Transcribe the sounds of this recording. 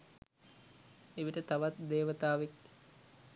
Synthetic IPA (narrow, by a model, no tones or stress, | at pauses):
eʋiʈət̪aʋat̪d̪eːʋət̪aːʋek̚